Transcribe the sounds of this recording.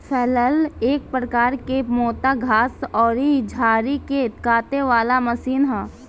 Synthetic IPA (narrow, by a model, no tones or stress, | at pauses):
fɛːləleːk̚pɾəkaːɾkemɔːt̪aɡʱaːsɔːɾid͡ʒʱaːɾiket̪kaːt̪eʋaːlaməsiːnɦɛː